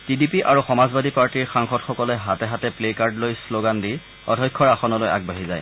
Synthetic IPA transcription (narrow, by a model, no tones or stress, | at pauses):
tidipiʔaɹuxɔmazbadʱipaɹtiɹxaŋxɔtxɔkɔlɛɦatɛɦatɛplekaɹdlojsloɡandi | ɔ̰dʱɔjkʰːɔɹaxɔnɔloja̰ɡ̚baɦizaj